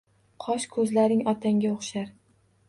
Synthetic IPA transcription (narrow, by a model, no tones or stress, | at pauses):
qʰɒʃkʰɵzlaɾɪŋɒt̪ʰaŋɡʲaoχʃaɾ